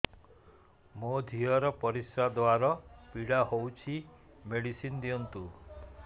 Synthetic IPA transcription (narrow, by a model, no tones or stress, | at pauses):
mod̪ʱiɔɾɔpɔɾisɾad̪oaɾɔpiɽahowt͡ʃʰi | meɽisind̪iɔnt̪u